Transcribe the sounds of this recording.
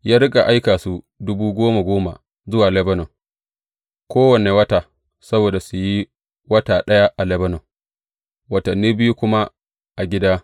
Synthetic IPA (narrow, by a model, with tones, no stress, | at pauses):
jaː˦ɾɪ˦kʼa˨ʔa˦jkaː˨su˨ | dʊ˦buː˦ɡʷoː˦ma˨ɡʷoː˦ma̰˨ | zʊ˦waː˨lɛ˦bɐ˦nɔ˨ŋ | kʷoː˦wɐ˨ne˨wɐ˦ta˨ | sɐ˦boː˨da˨su˨ji˦ | wɐ˦taː˨ɗɐ˦ja˦ʔa˨lɛ˦bɐ˦nɔ˨m | wɐ˨tɐ˨nːiː˦bɪ˦ju˦kʷʊ˦ma˦ | ʔa˨ɡʲɪ˦daː˦